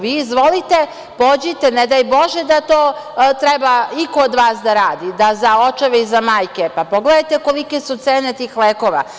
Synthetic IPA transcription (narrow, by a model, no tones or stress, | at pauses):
ʋiːzʋo̞lit̪e̞ | pod͡ʑit̪ened̪ajbo̞ʒed̪at̪oːt̪ɾɛbaikoːd̪ʋaːsd̪aɾaːd̪id̪azaot͡ʃaʋeizamaːjkepapo̞ɡled̪ajt̪e̞ko̞likesut̪seːnet̪iːxleːko̞ʋa̰